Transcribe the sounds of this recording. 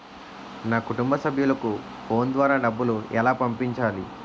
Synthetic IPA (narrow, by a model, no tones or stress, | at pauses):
naːkuʈumbɐsɐbʱjulɐku | po̞ːnd̪ʋaːɾaːɖɐbːuluɛlaːpɐmpiɲt͡ʃaːli